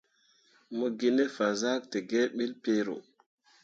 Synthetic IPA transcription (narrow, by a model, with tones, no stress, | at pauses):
mu˦ɡi˦ne˦fa˨za˦k̚te˨ɡe˦ɓi˦lpe˦ɾo̰˨